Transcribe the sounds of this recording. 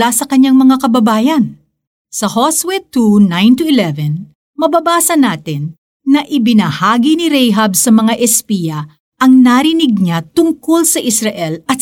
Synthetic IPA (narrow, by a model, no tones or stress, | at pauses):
asɐkɐɲːaŋmɐŋakɐbɐbaːjɐn | sɐhoswɛt̪unãjnt̪uɪlɛvɛn | mɐbɐbaːsɐnaːt̪ɪnː | ɐʔɪbɪnɐhaːɡinɪɾɛjɦɐb̚sɐmɐŋaʔɛspijɐ | ʔɐŋnaɾɪnɪɡ̚ɲat̪ʊŋkolsɐʔɪsɾɐʔɛlɐt̪